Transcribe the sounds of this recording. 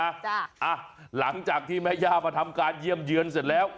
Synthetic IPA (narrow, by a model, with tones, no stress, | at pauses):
aː˧˩˧ʔaː˧˩la̰˧˦ŋt͡ɕa˨˩k̚t̪ʰi˧mɛ˧˥zaː˧vaː˨˩t̪ʰa˧mkaː˧˩zi˧əmzɨ˨˦ənsɛ˨˩nlɛ˨˦w